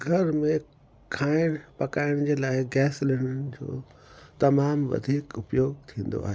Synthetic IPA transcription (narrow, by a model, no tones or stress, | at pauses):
ɡʱɐɾmẽ | kʰaːɪɽ̃pɐkaːɪɽ̃d͡ʑeːlaːɪɡɛːslɪɽənɪ̆d͡ʑo̰ː | t̪ɐmaːmʋɐ̰d̪ʱiːkʊpjoːɡ̚t̪ʰĩːn̆d̪o̰a̰ːɦeː